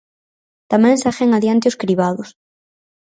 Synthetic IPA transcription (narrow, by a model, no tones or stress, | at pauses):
t̪amɛ̃ŋsaxeŋaðjant̪ɪʊskɾiβaðʊs